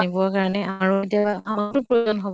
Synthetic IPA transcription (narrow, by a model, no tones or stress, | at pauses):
nibɔakaɹanɛamaɹuetijabaamatʊpɹoanɦɔb